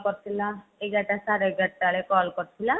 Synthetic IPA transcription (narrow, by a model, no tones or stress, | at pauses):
kɔɾt̪ʰilaeɡaʈasaɾɔɡʱaʈʈaɭekɔlkɔɾt̪ʰila